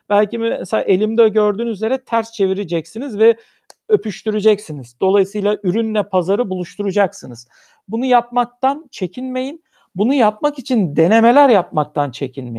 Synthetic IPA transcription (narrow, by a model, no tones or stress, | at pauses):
b̥ælʲcimɛsela̰ːʔe̞lʲimd̪ɛoɟø̞ɾd̪yːnyzlʲe̞ɾɛt̪ʰæɾst͡ʃʰe̞viɾid͡ʒɛcsinizvɛ | ø̞pʰyʃt̪ʰyɾid͡ʒɛcsinizd̪̥o̞lˠajɯsɯjlˠaʔyɾynːʲɛpʰazaɾɯbulˠuʃt̪ʰuɾud͡ʒaksɯnɯz̥ | bunujap̚mak̚t̪ant͡ʃʰe̞cʰinme̞jin | bunujap̚makit͡ʃʰind̪e̞ne̞me̞lʲæɾjapmak̚t̪ʰant͡ʃʰe̞cʰinmḛ